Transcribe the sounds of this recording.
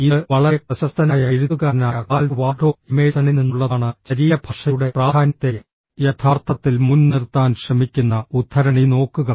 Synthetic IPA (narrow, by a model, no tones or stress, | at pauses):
iɨʋɐɭɐeprɐɕɐst̪ʰɐnaːjɐeɻuðuɣaɾɐnaːɣaːlʋaːɖʱoːimeːsɐɳininːuɭːɐːɳɨt͡ɕɐɾiːjɐbʱɐʂɐjuɽe̞praːd̪ʱaːnɐt̪ːejɐ | jɐt̪ʰaːrt̪ʰːɐt̪ːilmunnirt̪ːaːnɕrɐmikʲːunːɐut̪ʰːɐɾɐɳino̞ːkːuɣɐ